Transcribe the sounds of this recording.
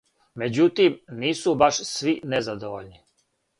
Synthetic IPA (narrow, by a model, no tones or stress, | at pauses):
me̞d͡ʑut̪imniːsubaʃsʋinezad̪oʋoʎni